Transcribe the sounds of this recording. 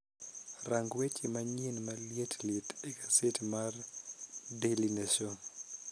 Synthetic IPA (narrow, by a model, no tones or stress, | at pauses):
raŋɡwet͡ʃɪmaɲenmaljetlɪt̪ekasɪtmar | delineʃo